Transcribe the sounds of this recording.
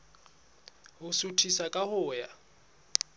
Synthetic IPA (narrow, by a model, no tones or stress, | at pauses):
ɦʊsutʰisakʼahʊːja